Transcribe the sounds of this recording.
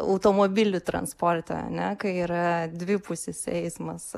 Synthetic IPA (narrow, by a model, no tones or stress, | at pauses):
ɐ̰ʊt̪oːmoːbʲɪlʲʊt̪ɾɐ̰nspoːɾt̪ʲɛ̰ɐ̰nʲɛkɐɪiːɾɐd̪ʲʋʲɪpʊsʲɪsɛɪsmɐs